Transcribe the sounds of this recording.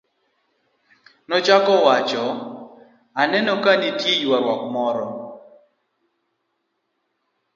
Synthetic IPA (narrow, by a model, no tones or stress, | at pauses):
nɔt͡ʃakɔwat͡ʃɔ | anɛnokanitjejwaɾwɔkmɔɾɔ